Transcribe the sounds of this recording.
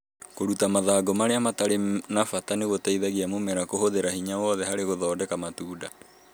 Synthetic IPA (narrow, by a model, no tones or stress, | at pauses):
koɾutamaðaːɡɔmaɾeamataɾenafataneɣotaiðaɣiamomɛɾakohoðeɾahiɲawɔðɛɦaɾeɣoðɔːdɛkamatuːda